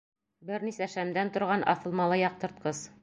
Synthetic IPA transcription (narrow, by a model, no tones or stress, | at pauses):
bɘɾnisæʃæmd̪ænt̪ŏɾʁɑnʔɑ̰θɤ̆lˠmɑlˠɤjɑq̚t̪ɤ̆ɾt̪̚qɤz